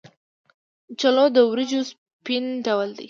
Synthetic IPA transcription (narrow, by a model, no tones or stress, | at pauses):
t͡ʃalod̪əwɾid͡ʒos | pinɖawəld̪ḭ